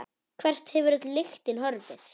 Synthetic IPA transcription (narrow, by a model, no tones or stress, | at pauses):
kʰvɛr̥st̪hɛvʏɾɪt̪lɪxt̪ɪnhɔɾvɪθ